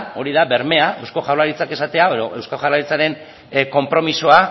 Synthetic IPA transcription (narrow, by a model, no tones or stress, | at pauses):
o̞ɾiðabe̞ɾme̞aewsko̞ʝawlaɾit͡sake̞sat̪e̞aeðo̞ʔe̞wskaʝawraɾit͡saɾe̞n | ko̞mpɾo̞misoa